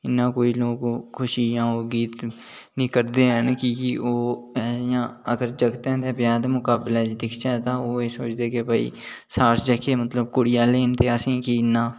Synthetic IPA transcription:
ɪnːãːkoːiːloːɡkʰʊʃiːjãːoːɡiːt̪ | nĩːkəɾd̪eːɦənkɪkɪʔoːɛːsjãːəɡəɾd͡ʒəɡt̪ɛ̃ːt̪ẽbjãːd̪mʊkaːbɪlẽːt͡ʃd̪ɪkʰd͡ʒaːɛt̪ãːoːeːsoːt͡ʃd̪eːkɪbəḭː | saːɾsd͡ʒeːkʰeːmət̪ləbkʊɽɪjãːleːnt̪eːəsĩːkiɪnːãː

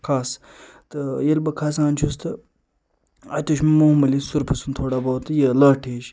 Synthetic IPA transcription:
kʰaːs | t̪ɨjelbɐkʰaːs̬aːnʲt͡ʃʰust̪ʰɨ | ɐ̰t̪ʲoʃmimomɐlisuɾpʰɐsunt̪ʰoːɽabɐwt̪ɨjelɐːʈʰeːʃ

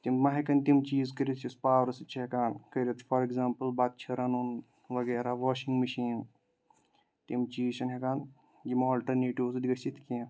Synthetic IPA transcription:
t̪immɐɦɐkɐnt̪imt͡ʃiːzkɐɾʲit̪ʰt͡ʃʰispaːʋɾɐsɨt͡ʃʰiɦekaːnkɐɾʲit̪fɐɾeɡzaːmpɐlbat̪̚t͡ʃʰɐɾɐnun | ʋɐɡeːɾaʋoːʃiŋɡmɐʃiːn | t̪imt͡ʃiːt͡ʃʰɐnɦekaːn | ɡimoːlʈɐɾneʈiwzdiɡɐsit̪ʰki

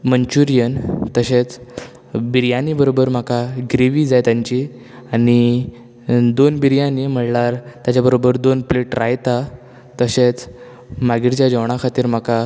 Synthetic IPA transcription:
məɲt͡ɕuɾijənt̪əɕet͡s | biɾjãnibəɾobəɾm̤akaɡɾeʋiːd͡zajt̪jaɲt͡ɕi | aɽ̃i | d̪onbiɾjãnim̤əɽlaɾt̪jat͡ɕjabəɾobəɾd̪onpleʈɾajt̪a | t̪əɕet͡s | maɡiʈt͡ɕjad͡ʑəʋɳ̃akʰat̪iːɾm̤aka

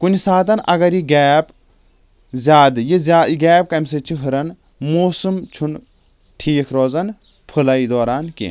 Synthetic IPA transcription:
kunʲisaːt̪ɐnʔɐɡɐɾiɡɛːp | zʲaːd̪ɨjizʲaːɡɛːp̚kɐmʲs̬et͡ʃʰiɦɨɾɐn | moːsumt͡ʃʰun | ʈʰiːkʰɾoːzɐn | pʰɨlɐid̪ɔːɾaːnkḛ

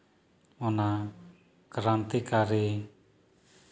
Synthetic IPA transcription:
ɔna | kəɾant̪ikaɾi

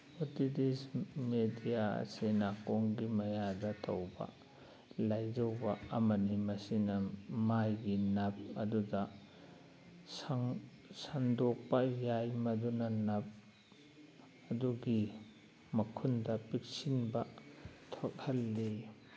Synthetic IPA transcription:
otidismedijaɐ̰sinakoŋɡimɐjadɐtʰɐwbɐ̰ | lajd͡ʒɐwbɐɐmɐnimɐsinɐmajɡinɐp̚ɐdudɐ | sŋ | saŋdok̚pɐjajmɐdunɐnɐp̚ | ɐduɡi | mɐkʰundɐpik̚sinbɐtʰokhɐlːi

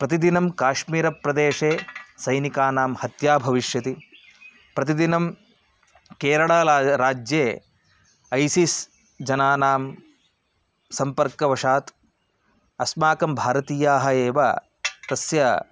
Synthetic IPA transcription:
pɾɐt̪id̪inɐmkaːʃmiːɾɐpɾɐd̪eːʂeːsɐjnikaːnaːmhɐt̪jaːbʱɐʋiʃjɐt̪i | pɾɐt̪id̪inɐm | keːɾɐɭaːɾaːd͡ʒjeː | ɐjsis | d͡ʒɐnaːnaːm | sɐmpɐɾkɐʋɐʂaːt̪ | ɐsmaːkɐmbʱaːɾɐt̪iːjaːɦɐeːʋɐ̰ | t̪ɐsjɐ

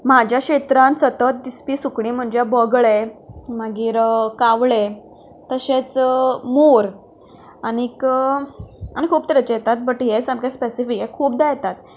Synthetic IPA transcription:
mad͡ʑjaɕet̪ɾãnsət̪ət̪̚d̪ispiːsukɳiːm̤əɳd͡ʑabəɡɭemaɡiːɾkaʋɭe | t̪əɕet͡smoɾ | anik | añikʰuːpt̪əɾet͡ɕjet̪at̪̚bəʈɦesamkespesifikekʰuːp̚d̪ajet̪at̪̚

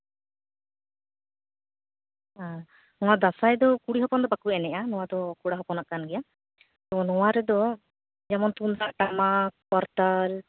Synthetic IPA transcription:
ɦã | nɔ̃w̃ad̪asajd̪ɔkuɽiɦɔpɔnd̪ɔbakuɛnɛʔanɔwad̪ɔkuɽaɦɔpɔnaʔkanɡɛja | t̪ɔnɔwaɾɛd̪ɔ | d͡ʒɛmɔnt̪und̪ɾaʔʈamakpɔɾt̪al

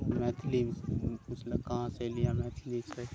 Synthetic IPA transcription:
mɛːt̪ʰliʊsləkaɦãselijamɛːt̪ʰlise

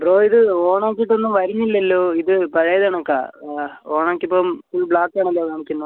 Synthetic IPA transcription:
bɾoːiðɨoːɳaːkːiʈːonːumʋɐɾuɲːilːɐlːoːiðɨpɐɻɐjɐðaːɳɐkːa̰ːoːɳaːkʲːipːoːmsilːbɭaːkːaːɳɐlːoːʋaːɳikʲːunːu

